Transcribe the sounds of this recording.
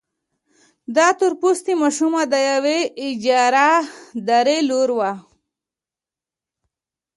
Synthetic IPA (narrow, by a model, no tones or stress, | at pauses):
d̪ɑt̪uɾpust̪imaʃumad̪ajaweɪd͡ʒɑɾad̪aɾeloɾwa